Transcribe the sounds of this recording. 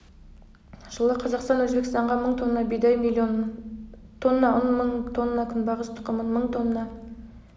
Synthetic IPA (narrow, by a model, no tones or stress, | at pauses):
ʒ̥əlˠəqʰɑzɑqst̪ɑnwɵzbekʲɪst̪ɑɴʁɑməɴt̪ʰonːɑbejd̪ɑjm | t̪ʰo̞nːɑʔonməɴt̪ʰo̞nːɑkʲʰʏnbɑʁəst̪ʰə̥qːəmənməɴt̪ʰonːɑ